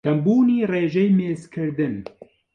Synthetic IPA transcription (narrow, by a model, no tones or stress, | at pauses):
d̪̥ɐmbuːniːreːʒɛjmeːzkʰɨɾd̪ɨn